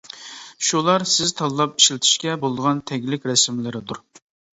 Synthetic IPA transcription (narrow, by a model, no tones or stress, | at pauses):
ʃulˠɑɾsɪzt̪ʰɑlˠlˠɑp̚i̥ʃlɪt̪ʰɪ̥ʃkʲɛbolˠd̪əʁɑnt̪ʰɛɡʲlɪkʲɾɛsmlɪɾɪd̪uɾ